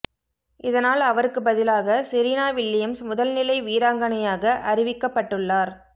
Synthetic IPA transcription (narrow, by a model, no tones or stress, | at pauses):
ʔɪðɐnaːlɐʋɐɾɯkːɯbɐðɪlaːɣɐsɪɾiːnaːʋɪlːɪjɐmsmʊðɐlnɪlɐɪʋiːɾaːŋɡɐnɐjaːɣɐʔɐrɪʋɪkːɐpːɐʈːɯɭːaːɾ